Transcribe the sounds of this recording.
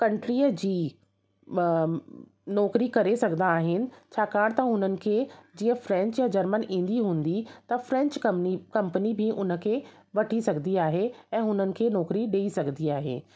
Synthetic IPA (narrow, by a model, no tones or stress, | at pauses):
kɐ̃ɳʈɾiːəd͡ʑiː | nɔːkɾikɐɾesɐɡʱnaːɦɪnɪ̆t͡ɕʰaːkaːɽ̃t̪ɐɦʊnənɪ̆kʰeːd͡ʑiːə̃fɾɛ̃ɲt͡ɕjad͡ʑɐɾmənʔĩːn̆d̪iɦũːn̆d̪it̪ɐfɾɛ̃ɲt͡ɕkikɐ̃mpənibʱɪʔʊnə̆kʰeː | ʋɐʈʰisɐɡʱniaːɦeɛ̃ːɦʊn̤ənɪ̆kʰeːnɔːkɾiɗeːisɐɡʱniaːɦḛː